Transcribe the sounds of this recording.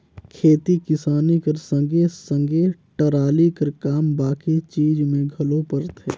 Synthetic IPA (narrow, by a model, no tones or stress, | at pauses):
kʰeːt̪ikɪsaːnikɐɾsə̃ŋɡesə̃ŋɡeʈəɾaːlikɐɾkaːmbaːkit͡ʃiːd͡ʒmẽɡʱɐlopəɾt̪ɦɛː